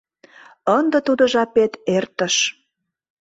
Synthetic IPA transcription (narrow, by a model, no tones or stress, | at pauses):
ənd̪ə̆t̪ud̪ə̆ʒɑpet̪ert̪ə̆ʃ